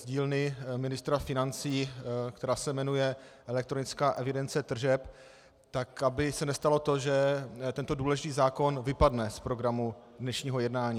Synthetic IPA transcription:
zɟiːlnɪmɪnɪst̪ɾafɪnant͡siːkt̪ɛɾaːsɛmɛnujɛ | ʔɛlɛk̚t̪ɾonɪt͡skaːʔɛvɪdɛnt͡sɛt̪r̩ʒɛp | t̪akabɪsɛnɛst̪alo̞t̪oʒɛt̪ɛnt̪o̞duːlɛʒɪt̪iːzaːko̞nvɪpadnɛspɾo̞ɡɾamu | dnɛʃɲiːɦo̞jɛdnaːɲiː

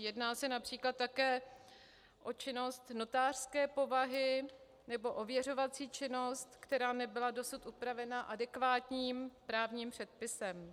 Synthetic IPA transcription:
jɛdnaːsɛnapr̝̥iːklat̪ːakɛː | ʔo̞t͡ʃɪno̞st̪no̞t̪aːr̥skɛːpo̞vaɦɪ | nɛbo̞ʔovjɛro̞vat͡siːt͡ʃɪno̞st̪kt̪ɛɾaːnɛbɪlado̞sut̪ʔupɾavɛnaʔadɛkvaːt̪ɲiːmpɾaːvɲiːmpr̝̥ɛt̪̚pɪsɛm

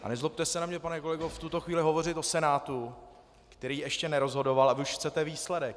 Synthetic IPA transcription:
ʔa̰nɛzlop̚t̪ɛsɛnamɲɛpanɛko̞lɛɡoft̪ut̪o̞xviːlɪɦo̞vo̞r̝ɪt̪o̞sɛnaːt̪u | kt̪ɛɾiːɛʃcɛnɛɾo̞zɦo̞do̞valavɪuʃxt͡sɛt̪ɛviːslɛdɛk̚

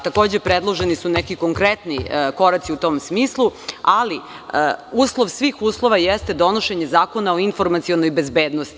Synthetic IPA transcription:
t̪ako̞ːd͡ʑepɾed̪lˠo̞ʒenisunekiko̞ŋkɾet̪niko̞ɾat̪siut̪o̞msmiːslˠuali | uːslˠo̞ʋsʋiːxuːslˠo̞ʋajest̪e̞d̪o̞noʃe̞ɲezaːko̞naoinfo̞ɾmat̪sio̞nojbe̞zbeːd̪nost̪i

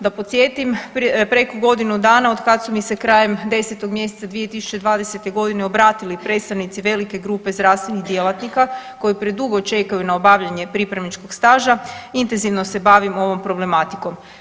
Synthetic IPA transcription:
d̪apo̞t̪sʲje̞t̪impɾe̞kuɡo̞d̪inud̪aːnao̞d̪kad̪sumise̞kɾaːje̞md̪e̞se̞t̪oɡmje̞set̪sad̪ʋije̞t̪isu̥t͡ɕe̞d̪ʋaːd̪ese̞t̪e̞ɡo̞d̪ine̞o̞bɾaːt̪ilipɾe̞t̪st̪aʋnit̪siʋe̞like̞ɡɾuːpe̞zɾaːʋst̪ʋeniɣd̪jelat̪nikako̞jipɾed̪uɡo̞t͡ʃe̞kajunaobaʋʎaɲe̞pɾipɾaʋnit͡ʃko̞ɡ̥st̪aːʒaint̪enziʋno̞se̞baʋimo̞ʋo̞mpɾo̞ble̞mat̪i̥ko̞m

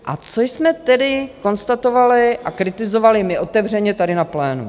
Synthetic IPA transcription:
ʔa̰t͡sojsmɛt̪ɛdɪko̞nst̪at̪ovalɪʔakɾɪt̪ɪzo̞valɪmɪʔo̞t̪ɛvr̝ɛɲɛt̪adɪnaplɛːnṵ

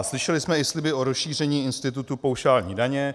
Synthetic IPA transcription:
slɪʃɛlɪsmɛɪslɪbɪʔoɾosʃiːrɛɲiːɪnst̪ɪt̪ut̪upowʃaːlɲḭːdaɲɛ

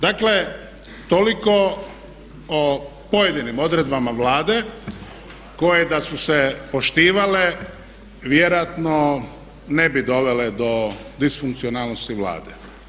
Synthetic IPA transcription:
d̪akle̞ | t̪oliko̞ | o | pojed̪inimo̞d̪ɾe̞d̪bamaʋlaːd̪e | ko̞jed̪asusepo̞ʃt̪iːʋale | ʋjeɾojat̪no | ne̞bid̪o̞ʋe̞led̪o̞d̪isfuŋk̚t̪sionaːlˠnost̪iʋla̰ːd̪e

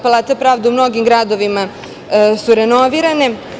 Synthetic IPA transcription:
palˠaːt̪apɾaːʋd̪eumno̞ɡimɡɾaːd̪o̞ʋima | suɾeno̞ʋiːɾane

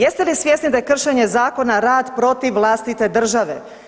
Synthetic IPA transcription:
jest̪elisʋjesnid̪ajekr̩ʃeɲe̞zaːko̞naɾaːd̪pɾo̞t̪iʋːlˠaːst̪it̪e̞d̪r̩ʒaʋe

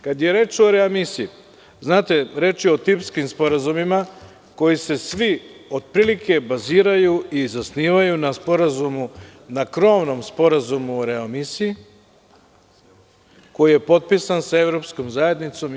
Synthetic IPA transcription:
kad̪je̞ɾe̞ːt͡ʃoɾe̞amisii | znaːt̪e̞ɾe̞ːt͡ʃio̞t̪ipskimspo̞ɾazumima | ko̞jise̞sʋio̞d̪̚pɾilikʰe̞baziːɾajuizasniːʋajunaspo̞ɾazumunakɾo̞ʋno̞mspo̞ɾazumuoɾeamisii | ko̞jije̞po̞t̪̚pisansae̞ʋɾo̞psko̞mzaje̞d̪nit̪so̞m

